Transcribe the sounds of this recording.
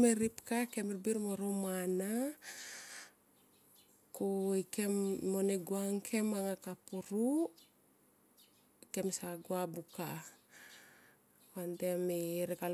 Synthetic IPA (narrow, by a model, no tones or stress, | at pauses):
meɾipkakemeɾbiɾmoɾomana | kuikemːoneɡuaŋkʰe̞maŋakapuɾu | ke̞msaɡuabuka | kandemiɾeɡal